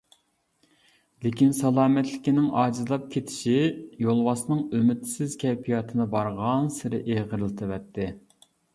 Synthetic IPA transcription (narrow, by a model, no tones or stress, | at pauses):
lekʲinsɑlˠɑːmɛt̪lɪkʲinɪŋɑːd͡ʒizlˠɑp̚kʲʰet̪ʰɪ̥ʃijolˠwɑsnɨŋømɪt̪sɪz̥kʲʰɛpʰijɑt̪ʰɨnɨbɑɾʁɑnsɪɾɪ̰ʔeʁəɾlˠɨt̪ʰɨvɛt̪ʰːɪ